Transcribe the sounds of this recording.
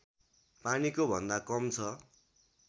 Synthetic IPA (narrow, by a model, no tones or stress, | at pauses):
panikobʱʌnd̪akʌmt͡sʰʌ